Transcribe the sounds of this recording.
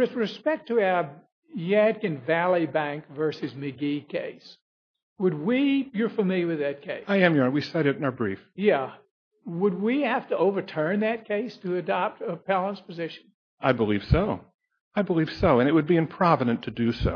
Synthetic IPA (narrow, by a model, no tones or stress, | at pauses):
wɨðɹɨspɛk̚tʰɨaə˞ | jæd̚kɨ̃nvælˠibæ̃ŋkvɜ˞sɨzmɨɡikʰeɪs | wəd̚wijə˞fəmɪlˠjwɨðɨt̚kʰeɪsaɪɨ̃mjə˞nwisɛɾɨɾ̃nə˞bɹifjæ | wəd̚wihæftəoʊvə˞tʰɜ̃˞nðɨt̚kʰeɪstʰɨɨdɑp̚təpʰælˠə̃nspʰɨzɪʃn̩ | aɪbəliv̥soʊ | aɪbəliv̥soʊɨ̃ñɨt̚wɨd̚biɨ̃mpʰɹ̥ɑvənɨ̃ntʰɨdɨso̰ʊ